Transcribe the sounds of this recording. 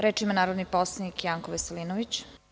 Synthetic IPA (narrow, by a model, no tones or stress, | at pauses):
ɾeːt͡ʂimanaːɾod̪niposlˠanikjaːŋkoʋeselinoʋit͡ɕ